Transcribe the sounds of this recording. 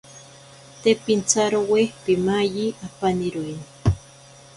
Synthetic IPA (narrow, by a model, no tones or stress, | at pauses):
t̪epint͡saɾowehpimajiapaniɾojn